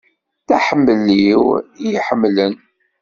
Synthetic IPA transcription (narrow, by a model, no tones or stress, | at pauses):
θæħəmːəlːiwijiħəmːlən